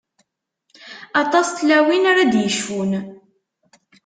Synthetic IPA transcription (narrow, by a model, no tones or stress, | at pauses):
ɑt̪ˤɑst̪læwinaɾad̪jəʃfun